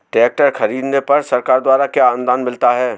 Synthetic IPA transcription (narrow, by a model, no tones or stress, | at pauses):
ʈɛːk̚ʈəɾxɐɾiːd̪nepɐɾsɐɾkaːɾd̪waːɾakjaaːnd̪aːnmɪlt̪aɦɛː